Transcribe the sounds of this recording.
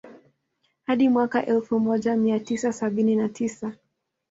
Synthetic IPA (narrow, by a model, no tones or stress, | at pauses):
haɗimwakaʔɛlfumɔʄamiatisasaɓininatʰisa